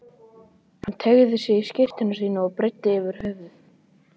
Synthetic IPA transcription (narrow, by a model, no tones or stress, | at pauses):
hant̪ʰɛɣðɪsjɛɣiscɪr̥t̪ɪnʏs̬iːnaɔpɾɪjt̪ːɪɪvɪɾ̥hœvðʏ